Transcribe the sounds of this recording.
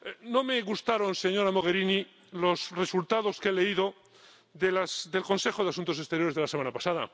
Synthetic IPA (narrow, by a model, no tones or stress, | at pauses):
no̞me̞ɣust̪aɾo̞nse̞ɲo̞ɾamo̞ɣ̞e̞ɾini | lo̞sre̞sult̪aðo̞ske̞le̞iðo̞ | ðelasd̪e̞lkõ̞nse̞xo̞ð̞easunt̪os̬e̞st̪e̞ɾjoɾe̞zðe̞lasemanapasaða̰